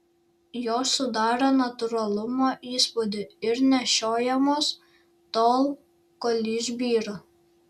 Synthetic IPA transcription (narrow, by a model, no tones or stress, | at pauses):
joːsʊd̪ɑːɾonɐt̪ʊɾɐlˠʊmoːʔiːspod̪ʲeɪɾnʲɛʃʲoːjɛmoːs | t̪oːlˠ | kolʲiːʒʲbʲiːɾoː